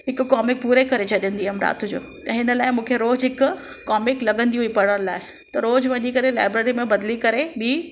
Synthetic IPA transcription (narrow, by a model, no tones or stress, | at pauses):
ɦɪkːɔːmɪk̚puːɾekɐɾet͡ɕʰɐɗə̃nd̪iɐmɾa̰ːt̪ʰʊd͡ʑo̰ːt̪ɐɦɪnə̆laːɪmũːkʰeɾoːd͡ʑɦɪkʊ | kɔːmɪklɐɠə̃nd̪iɦuipɐɽəɾla̰ːɪ | t̪ɐɾoːd͡ʑʋɐɲikɐɾela̰ːɪbɾeːɾimẽbɐd̪likɐɾeɓiː